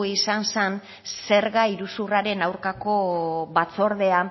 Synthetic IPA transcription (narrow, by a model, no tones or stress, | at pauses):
isansen | se̞ɾɣaiɾusuraɾe̞nawɾkako̞βat͡so̞ɾðe̞a